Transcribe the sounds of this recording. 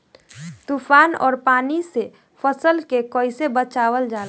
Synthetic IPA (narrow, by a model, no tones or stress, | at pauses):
t̪uːfʰaːnɔ̰ːɾpaːnise | fʰəsəlkekɔːɪsebət͡ʃaːwəld͡ʒaːl